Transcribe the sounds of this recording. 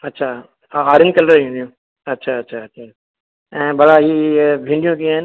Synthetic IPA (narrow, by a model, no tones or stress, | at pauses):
ɐtːʃʰaː | aːɾɪ̃nkɐləɾjũndijõ | ɐtːʃʰaɐtːʃʰaɐtːʃʰaː | ɛ̃ːbɐɽaɦibʱĩːɳɖijõkĩãːɦɪn